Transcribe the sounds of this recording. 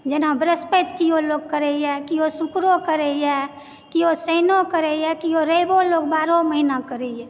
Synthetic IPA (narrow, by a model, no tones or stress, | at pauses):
d͡ʒenabɾəspət̪kioloɡkəɾɛɛkiosukɾokəɾɛjɛ | kiosəɪnokəɾɛjɛkioɾəboloːɡbaːɾoməɦinakəɾɛɛ